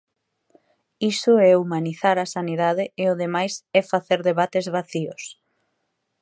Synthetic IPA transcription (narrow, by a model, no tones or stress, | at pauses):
isʊɛumaniθaɾasaniðaðɪeʊðemajsɛfaθeɾðeβat̪ezβaθios